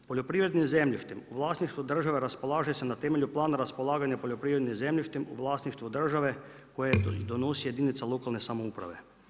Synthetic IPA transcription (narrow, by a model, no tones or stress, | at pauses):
po̞ʎo̞pɾiʋɾe̞d̪nimze̞mʎiʃt̪imuʋlˠaːsniʃt̪ʋud̪r̩ʒaʋeɾaspo̞laːʒeesenat̪eme̞ʎuplˠaːnaɾaspolˠaːɡaɲapoʎo̞pɾiːʋɾed̪nimze̞mʎʲiʃt̪imuʋlˠaːsniʃt̪ʋud̪r̩ʒaʋe̞ | kojed̪onosije̞d̪init̪salo̞kalˠne̞samoupɾa̰ʋe̞̰